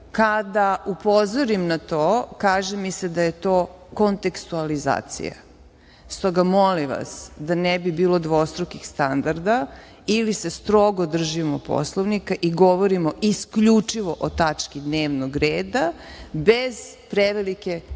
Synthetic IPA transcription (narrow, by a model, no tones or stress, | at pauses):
kad̪aupo̞zoɾimnat̪oːkaːʒemised̪ajet̪oːko̞nt̪e̞kst̪ualiza̰ːt̪sḭja̰ | st̪o̞ɡamoliʋa̰sd̪anɛbibiːlˠo̞d̪ʋo̞st̪ɾokixst̪and̪aɾd̪a | ilisest̪ɾoɡod̪r̩ʒimopo̰slˠoʋnikaʔiɡoʋoɾimoʔiskʎut͡ʂiʋo̞ʔot̪at͡ʃkid̪neːʋnoɡɾeːd̪abez̥ | pɾeʋelike